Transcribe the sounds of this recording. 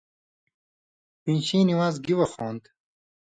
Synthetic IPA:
pinɕĩːniwaːzɡiwɐxoːnd̪

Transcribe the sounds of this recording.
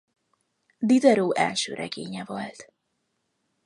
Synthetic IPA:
d̪id̪ɛɾoːʔɛlʃø̰ːɾʔɛ̰ɡeːɲɛvolt̪

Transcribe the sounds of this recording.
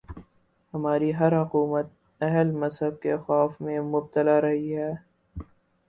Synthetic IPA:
hɐmaːɾiɦɐɾɦʊquːmət̪̚ | ɛɦəlmɐzɦəb̚kexɔːfmẽmʊb̚t̪əlaɾɐɦiɦɛː

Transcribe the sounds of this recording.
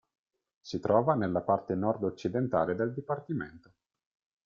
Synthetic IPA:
sit̪ɾɔːvanelːapart̪enɔrd̪ot͡ʃːid̪ent̪aːled̪eld̪ipart̪imḛnt̪o

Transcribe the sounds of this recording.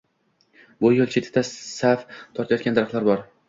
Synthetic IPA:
bʊjolˠt͡ʃʰet̪ʰɪ̥t̪ːasaft̪ʰɒɾt̪ʰajɒt̪kʲand̪aɾaχt̪lˠaɾbɒɾ

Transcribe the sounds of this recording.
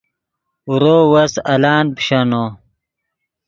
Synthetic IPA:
uɾoːwɐsɐlaːnpɕɐno

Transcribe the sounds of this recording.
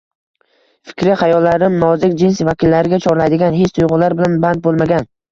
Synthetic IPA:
fɪ̥kʲɾɪχajɒlːaɾɪmnɒzɪkʲd͡ʒɪnsvakʲɪlːaɾɪɡʲat͡ʃʰɒɾlajd̪ɪɡʲanɦet͡ʃt̪ʰʊjʁʊlaɾbɪlanband̪̚bolˠmaɡʲan

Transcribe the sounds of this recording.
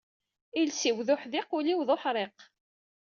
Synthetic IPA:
ilsiwðʊħðɪqʊliwðˤoħɾˤeq

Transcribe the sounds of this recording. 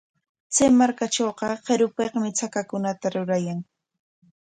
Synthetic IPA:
t͡sejmaɾkaʈ͡ʂoːqɑɢeɾʊpeqmɪt͡sakakʊnat̪aɾʊɾajaŋ

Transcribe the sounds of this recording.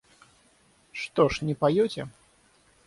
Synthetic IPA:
ʂt̪ɔʂnʲɛpajɔt͡sʲɛ

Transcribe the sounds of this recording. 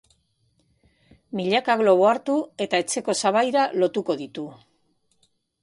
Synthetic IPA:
miʎakaɣlo̞β̞oaɾt̪ue̞t̪ae̞t͡se̞ko̞saβajɾalo̞t̪uko̞ðit̪u

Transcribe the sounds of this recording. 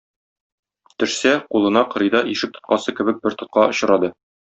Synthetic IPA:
t̪ɘ̆ʃsæqulˠɤ̆nɑqɤ̆ɾɤ̆jd̪ɑʔiʃɘk̚t̪ŏ̥t̪̚qɑsɤkɘ̆bɘk̚bɘɾt̪ŏt̪̚qɑʔŏɕɤ̆ɾɑd̪ɤ

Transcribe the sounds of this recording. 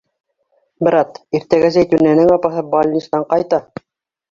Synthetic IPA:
bɘ̆ɾɑt̪iɾt̪æɡæzæjt̪ʉnːænɘŋɑpɑɦɤbɑlʲnʲist̪ɑɴqɑjt̪ɑ

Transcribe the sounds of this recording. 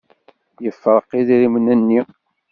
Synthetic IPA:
jəfːəɾˤəqːiðiɾimənænːi

